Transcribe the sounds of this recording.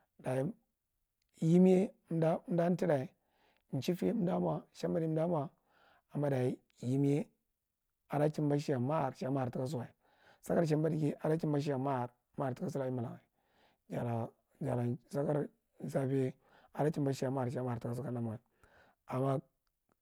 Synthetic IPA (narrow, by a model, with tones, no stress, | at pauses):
da˨i˦ | ji˦m˦e˦m̩˦da˦m̩˦da˦n˦ti˦da˨i˨˦ | n̩˨t͡ʃi˦fe˦m˦da˦m˦a˨ʃa˦mba˦di˦da˦m˦a˨ | a˨mːa˦da˨i˦ | ji˦m˦e˦ | a˨da˦t͡ʃi˦mba˦ʃi˦ja˨ma˦˨ɾʃa˦ma˦˨ɾti˦ka˦s̬u˦wa˨i˨ | sa˦ka˦ɾʃ̬a˦mba˦di˨ki˦ʔa˨da˦t͡ʃi˦mba˦ʃ̬i˦a˨ma˦˨ɾ | ma˦˨ti˦ka˦su˦la˨i˦ma˨la̰˨ŋa˨i˨ | d͡ʒa˨ɾa˨ | d͡ʒa˨ɾa˨sa˦ka˦ɾ | sa˦f | a˨da˦t͡ʃi˦m˦ba˦ʃi˦ja˨ma˦˨ɾʃa˦ma˦˨ɾti˨ka˦su˦ka˦na˦m˨ŋa˨i˨ | a˨mːa˦